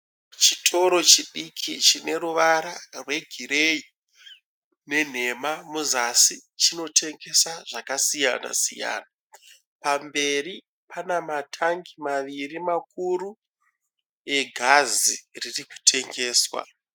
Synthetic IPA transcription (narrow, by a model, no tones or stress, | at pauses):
t͡ʃitʰo̞ɾo̞t͡ʃiɗikʰit͡ʃine̞ɾuʋaɾarwe̞ɡʱiɾei | ne̞n̤e̞mamuzasit͡ʃino̞tʰe̞ŋɡe̞saʐakasijana̰sḭja̰ːna | pambe̞ri | panamatʰaŋɡimaʋirimakuɾu | e̞ɡʱaziririku̥tʰe̞ŋɡe̞ːswa̰